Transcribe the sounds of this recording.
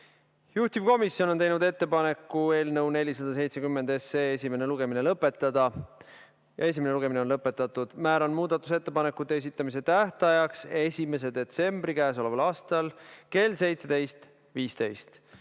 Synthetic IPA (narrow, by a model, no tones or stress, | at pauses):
juht̪ivko̞misːjo̞no̞nt̪ejnud̪e̞t̪ːe̞pɑne̞kːˑue̞ːlnɤwne̞lʲisɑd̪̥ɑs̬e̞jt̪se̞kymːend̪e̞seːes̬ʲime̞ne̞luɡ̥e̞mine̞lɤpːˑe̞t̪ːˑɑd̪̥ɑ | jɑe̞s̬ʲimene̞luɡ̥e̞mineo̞nlɤpːˑe̞t̪ːˑɑt̪ːˑud̪̥mæːɾɑnmuːd̪ɑt̪ːˑu̥se̞t̪ːe̞pɑnekːˑut̪ːˑees̬it̪ˑːɑmis̬e̞t̪æht̪ɑjɑkse̞sʲime̞s̬e̞d̪̥e̞t̪se̞mb̥ɾikæːs̬o̞le̞vɑlɑːst̪ɑlke̞lse̞jt̪se̞d̪̥e̞jst̪ | viːst̪e̞jst̪